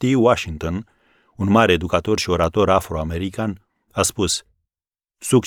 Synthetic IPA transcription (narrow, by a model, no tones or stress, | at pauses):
t̪iwaʃiŋt̪o̞n | unmaɾeed̪ukat̪o̞rʃio̞ɾat̪o̞ɾafɾo̞ame̞ɾikan | aspus | suk